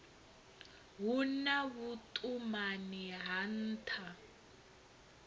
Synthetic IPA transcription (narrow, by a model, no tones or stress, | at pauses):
ɦunaβutʼumaniɦan̩ːtʰa